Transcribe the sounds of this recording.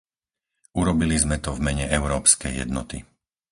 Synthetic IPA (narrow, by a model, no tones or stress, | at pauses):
uɾɔbilizmɛt̪ɔvmɛɲɛʔɛʊɾɔːpskɛjːɛ̰d̪nɔ̰t̪ḭ